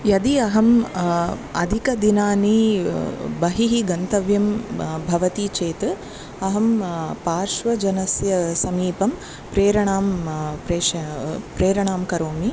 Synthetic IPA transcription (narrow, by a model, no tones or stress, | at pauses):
jɐd̪iɐɦɐm | ɐ̰d̪ʱikɐd̪inaːni | bɐɦiɦiɡɐnt̪ɐʋjɐmbʱɐʋɐt̪it͡ʃeːt̪ɨ | ɐɦɐmpaːɾʃʋɐd͡ʒɐnɐsjɐsɐmiːpɐm | pɾeːɾɐɳaːmpɾeːʃɐpɾeːɾɐɳaːmkɐɾoːmi